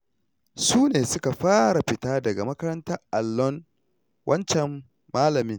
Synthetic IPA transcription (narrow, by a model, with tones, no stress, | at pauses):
suː˦neː˨sʊ˦ka˨ɸaː˦ɽa˨ɸɪ˨taː˦dɐ˨ɡa˨mɐ˦kɐ˦ɾɐ˦ntɐ˦rʔa˨lːɔ˦n | wʔɐ˦nt͡ʃɛ˨mː | aː˦lɐ˨mɪ˦ŋ